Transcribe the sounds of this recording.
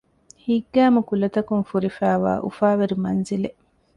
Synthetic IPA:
hiɡːæːmukulɐt̪ɐkunfuɾifæːʋa̰ːʔṵfaːʋeɾimɐnzile

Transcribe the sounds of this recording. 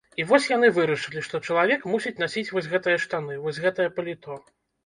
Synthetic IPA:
ivɔsʲjanɨvɨɾɐʂɨlʲiʂt̪ɔt͡ʂɐlˠavʲɛkmusʲit͡sʲn̪asʲit͡sʲvɔsʲɣɛt̪ɨjɐʂt̪anɨvɔsʲɣɛt̪ɐjɐpɐlʲit̪ɔ

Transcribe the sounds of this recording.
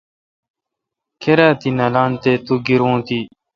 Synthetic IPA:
kʰeɾaːt̪inɐlaːnt̪eːt̪uɡiɾõːt̪iː

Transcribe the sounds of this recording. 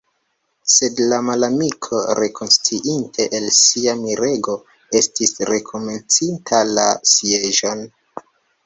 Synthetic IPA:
se̞dlamalamikʰo̞ɾe̞kʰo̞nst͡siʔintʰe̞ʔelsiamiɾe̞ɡo̞ | e̞stisɾe̞kʰo̞me̞nt͡sintʰalasie̞ʒo̞n

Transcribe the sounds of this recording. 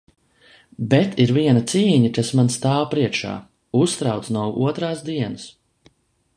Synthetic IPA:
bɛt̪iɾviɛnat̪siːɲakasmanst̪aːwpɾiɛkʃa̰ː | ust̪ɾawt̪snawṵɔt̪ɾaːsd̪iɛnəs

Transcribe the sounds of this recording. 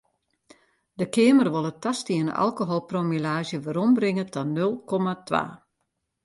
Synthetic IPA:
dəkɪəmərʋolˠətastiənʔa̰lˠkoɦolˠpromilaːʒjəʋəɾɔmbrɪŋətʰɔnølˠkʰɔmatʋa̰ː

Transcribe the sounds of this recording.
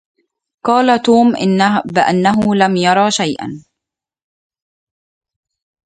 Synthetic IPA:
qɑːlat̪uːmʔɪbɪʔanːaɦʊlamjɑɾˤɑʃajʔa̰n

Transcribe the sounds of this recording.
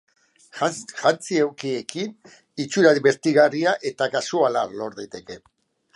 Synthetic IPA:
ʝant͡siewkie̞kin | it͡ʃuɾaðiβe̞ɾt̪iɣariaʔe̞t̪akasuala̰lo̞ɾðejt̪e̞ke̞

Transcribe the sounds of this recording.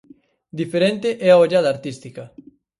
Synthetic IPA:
d̪ifeɾent̪eʔɛaoʎaðɐːɾt̪ist̪ikɐ

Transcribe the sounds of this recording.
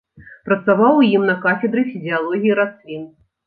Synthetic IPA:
pɾɐt̪savawjimnɐkafʲɛd̪ɾɨfʲizʲialˠɔɣʲijiɾasvʲin

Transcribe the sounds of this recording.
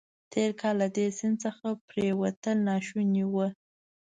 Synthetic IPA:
t̪ʰeɾkʰɑlːad̪esɪnt͡səxapɾewat̪əlnɑʃuniwə

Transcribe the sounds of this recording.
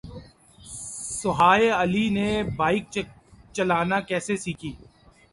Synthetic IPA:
sʊɦaːeəlinebaːɪk̚t͡ʃɐlaːnakɛːsesiːkʰiː

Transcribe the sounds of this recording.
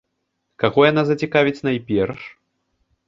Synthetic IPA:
kaɣɔjan̪azɐt͡sʲikavʲit͡sʲnɐjpʲɛrʂ

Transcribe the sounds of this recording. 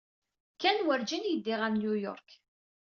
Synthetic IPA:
kːænwəɾd͡ʒinjəd̪ːɪʁəmnjujɔ̰ɾk

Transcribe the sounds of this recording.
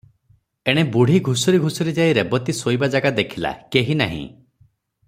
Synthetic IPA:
eɽ̃ebuɽ̤iɡʱusɔɾiɡʱusɔɾid͡ʒaiɾebɔt̪isojbad͡ʒaɡad̪ekʰila̰keɦina̰ɦḭ̃

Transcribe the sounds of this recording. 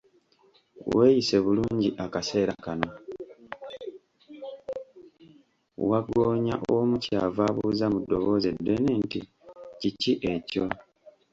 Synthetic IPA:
we̞ːjise̞βuluːɲɟiʔakase̞ːɾakano̞ | waɡo̞ːɲaʔomucaːvaβuzamudːo̞βo̞ze̞dːwe̞neːnti | ciciʔe̞coo

